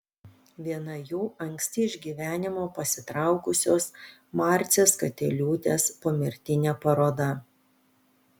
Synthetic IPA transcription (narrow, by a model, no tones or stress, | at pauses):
ʋʲiɛnɐjuːʔɐŋʲksʲt̪ʲɪɪʒʲɡʲiːʋʲæːnʲɪmoːpɐsʲɪt̪ɾɑˑʊkʊsʲoːs | mɑˑɾʲt̪sʲeskɐt̪ʲɛlʲuːt̪ʲeːspomʲɪɾʲt̪ʲɪnʲɛpɐɾoːd̪ɐ